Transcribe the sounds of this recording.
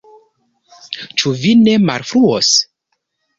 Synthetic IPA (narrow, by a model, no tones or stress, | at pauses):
t͡ʃuvine̞ma̰lfɾuos